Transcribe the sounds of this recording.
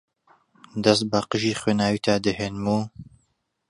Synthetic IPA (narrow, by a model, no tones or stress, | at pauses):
d̪ɐst̪̚baqəʒiːχweːnaːwit̪ʰaːd̪ɨheːnmuː